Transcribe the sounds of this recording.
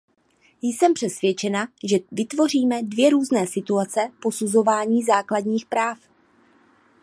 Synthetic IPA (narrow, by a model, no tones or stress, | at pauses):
jsɛmpr̝̥ɛsvjɛt͡ʃɛnaʒɛvɪt̪vo̞r̝iːmɛdvjɛɾuːznɛːsɪt̪uat͡sɛpo̞suzo̞vaːɲiːzaːkladɲiːxpɾaːf